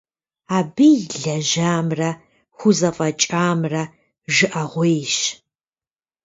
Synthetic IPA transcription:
aːbijɮɐʒaːmrɐ | xʷʊzɐfʼɐt͡ʃʼaːmrɐ | ʒɨʔɐʁʷejʃ

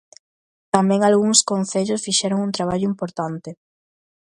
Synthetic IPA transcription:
t̪amɛ̃ŋalɣuŋskon̟θeʎosfiʃɛɾoŋunt̪ɾaβ̞aʎʊimpoɾt̪ant̪ɪ

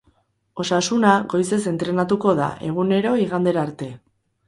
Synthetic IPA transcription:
o̞sasunaɣo̞jse̞se̞nt̪ɾe̞nat̪uko̞ða̰ʔe̞ɣ̞une̞ɾo̞iɣand̪eɾaːɾt̪e̞

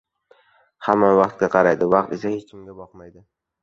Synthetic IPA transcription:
hamːavɑqt̪̚ɡʲaqʰɑɾajd̪ɪvɑqt̪esahet͡ʃkʰʲɪmɡʲabɒqmajd̪ɪ

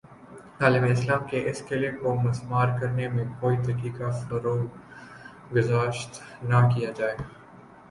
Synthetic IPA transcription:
t̪aːlɪbeɪslaːmkeʔɪskɪlekomɐsmaːɾkɐɾnemẽkoːit̪ɐkiːkafɐɾoːl | ɡʊzaːʃt̪nakijad͡ʒaːeɡ

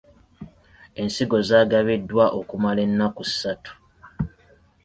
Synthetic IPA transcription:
e̞nsiɡo̞zaːɡaβedːwaʔo̞kumale̞nːakusatu̥

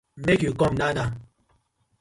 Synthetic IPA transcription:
mekikɔmnana

